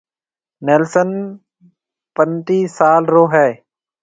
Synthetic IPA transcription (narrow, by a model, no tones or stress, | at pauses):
neːlsən | pənt̪iːsaːlɾoːɦɛː